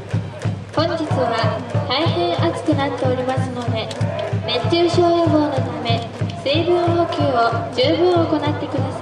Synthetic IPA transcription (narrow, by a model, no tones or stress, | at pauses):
hõ̞ɲ̟d͡ʑit͡sɨβat̪aihẽ̞ɰʔat͡sɨ̥kɯ̟nat̪ːe̞o̞ɾʲimasɨno̞d̪e̞net͡ɕːɨːɕo̞ːjobo̞ːno̞t̪ame̞ | seːbɯ̃ɰokʲɯːo̞d͡ʑɨːbɯ̟̃ɰ̃o̞ko̞nat̪ːe̞kɯ̟d̪asai